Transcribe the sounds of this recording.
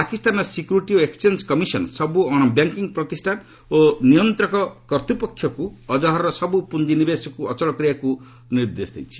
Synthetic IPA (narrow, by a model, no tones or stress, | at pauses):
pakist̪anɔsikjuɾiʈioekst͡ʃend͡ʒkɔmisɔnsɔbuɔɽ̃ɔbjaŋkiŋpɾɔt̪isʈʰan | onijɔnt̪ɾɔkɔkɔɾt̪upɔkʰːjɔkuɔd͡ʒɔɦɔɾɔsɔbupund͡ʒinibesɔkuɔt͡ʃɔɭɔkɾijaku | niɾd̪esd̪ḛjt͡ʃʰi̥